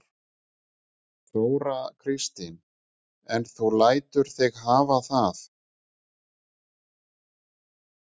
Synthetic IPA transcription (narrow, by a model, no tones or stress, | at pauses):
toːwɾakʰɾɪst̪ɪn | ɛnθuwlaːjt̪ʏɾ̥θɪɣɦaːvaθaθ